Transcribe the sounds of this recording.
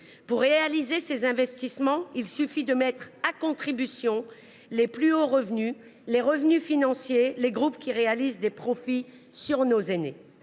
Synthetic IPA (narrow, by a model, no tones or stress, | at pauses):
puʁːeealizesezɛ̃vɛst̪ismɑ̃ilsyfid̪əmɛt̪χakɔ̃t̪χibysjɔ̃ | leplyoʁəvny | leʁəvnyfinɑ̃sjeleɡʁupkʲiʁealizd̪epχɔfi | syʁnozene